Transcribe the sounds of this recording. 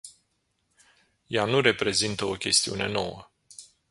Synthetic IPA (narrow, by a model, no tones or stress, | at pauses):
januɾe̞pɾe̞zint̪əo̞kʲe̞st̪iṵne̞no̞̰wə